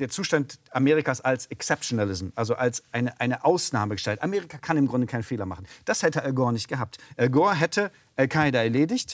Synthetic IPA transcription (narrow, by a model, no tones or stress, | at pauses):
d̥eːɐt͡suːʃtantʔameːʁ̞ikaːsalsɛksɛp̚tonalɪzm̩ʔalzoʔalsʔaɪnəʔaɪnəʔaʊsnaːməɡəʃtɛltʔameːʁikʰakʰanɪmɡʁʊndəkʰaɪnənfeːlɐma̰χn̩d̥ashɛtəɛɡɔːɐnɪçt̚ɡ̥əɦaːp̚tʔɛɡɔːɐɦɛtʰə | ʔɛlkʰaɪdɐɛɐleːdɪçt